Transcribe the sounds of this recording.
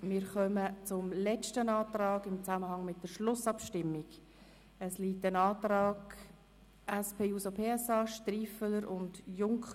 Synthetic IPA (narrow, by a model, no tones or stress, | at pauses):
mɪːɾχœmət͡sʊmlɛt͡ʃtənɑːtɾɑːɡɪmt͡saməhɑŋmɪt̚d̥əɾʃlʊsɑpʃtɪmːiɡ̥ | əsliːtənɑːtɾɑːɡ | ʔɛspʰeːuːsopʰeːɛsɑːʃtriːfələɾʊndjʊŋkχ